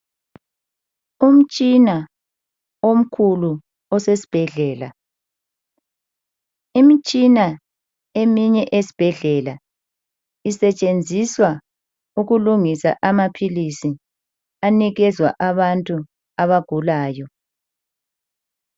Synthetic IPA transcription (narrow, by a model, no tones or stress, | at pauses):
um̩t͡ʃʼina | om̩kʰulu | ɔsesi̥b̥ʱɛɮɛːla | imit͡ʃʼina | emiɲɛʔesi̥b̥ʱɛɮɛla | isɛt͡ʃʼend͡zʱiswa | uɣuluŋisa̰ʔamapʰilisi | aniɣɛzwa̰ʔaβantʼu | aβaɡ̥ʱulaːjɔ